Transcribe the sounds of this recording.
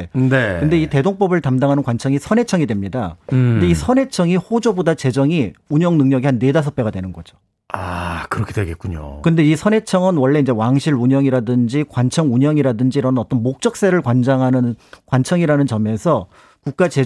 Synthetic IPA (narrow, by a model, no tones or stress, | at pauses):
nekɯnde̞ite̞doŋp͈ʌbɯɭtamdaŋɦanɯnkwant͡ɕʰʌŋisʰʌne̞t͡ɕʰʌŋidwe̞mɲidakɯndeisʰʌne̞t͡ɕʰʌŋihod͡ʑobodat͡ɕe̞d͡ʑʌŋiuɲʌŋnɯŋɲʌɡiɦanːe̞das̬ʰʌp͈e̞ɡadwe̞nɯnɡʌd͡ʑo̥ | akɯɾʌkʰedweɡet̚k͈uɲo̰kɯnde̞isʰʌne̞t͡ɕʰʌŋɯnwʌɭːe̞ind͡ʑe̞waŋɕʰiɾuɲʌŋiɾadɯnd͡ʑikwant͡ɕʰʌŋuɲʌŋiɾadɯnd͡ʑiɾʌnɯnʌt͈ʌnmok̚t͡ɕ͈ʌk̚s͈e̞ɾɯɭkwand͡ʑaŋɦanɯnkwant͡ɕʰʌŋiɾanɯnt͡ɕʌme̞sʰʌ | kuk̚k͈at͡ɕe̞